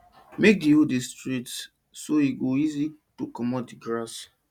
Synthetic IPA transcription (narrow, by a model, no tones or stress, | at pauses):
mek̚diodistɾits | soiɡoizitokɔmɔt̚diɡɾas